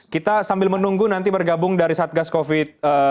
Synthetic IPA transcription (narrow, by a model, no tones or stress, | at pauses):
kit̪asambɪlmənuŋɡunant̪̬ibərɡabʊŋdaɾisaːt̪̚ɡaskofɪt̪̚ə